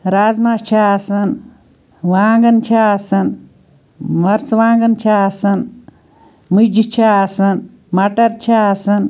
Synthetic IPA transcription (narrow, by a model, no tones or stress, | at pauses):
ɾaːzmat͡ʃʰasɐn | ʋaːŋɡɐnt͡ʃʰasɐn | mɐɾt͡sʋaːŋɡɐnt͡ʃʰasɐn | mud͡ʒit͡ʃʰasɐn | mɐʈɐɾt͡ʃʰasɐn